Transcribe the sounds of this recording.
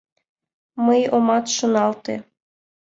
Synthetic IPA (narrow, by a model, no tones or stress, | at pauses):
məjomɑt̪ʃonɑlt̪ḛ